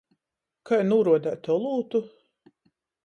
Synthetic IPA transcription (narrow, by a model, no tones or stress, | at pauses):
kʰajnuːɾuɔd̪æːt̪ɔlˠuːt̪u